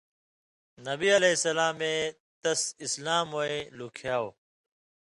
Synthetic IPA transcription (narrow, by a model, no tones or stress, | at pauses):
nɐbiːəleːsəlaːmẽː | t̪ɐsɪslaːmoːẽːluːkʰjaːoː